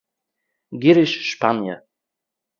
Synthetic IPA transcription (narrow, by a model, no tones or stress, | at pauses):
ɡiɾɪʃʃpanjə̰